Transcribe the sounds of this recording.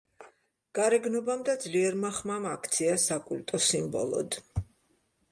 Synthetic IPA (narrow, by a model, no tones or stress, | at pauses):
ɡ̥aɾɛɡnɔbamd̪ad̪zliɛɾmaχmamakʰt̪sʰiasakʼult̪ʼɔsimbɔ̰lˠɔ̰d̪̥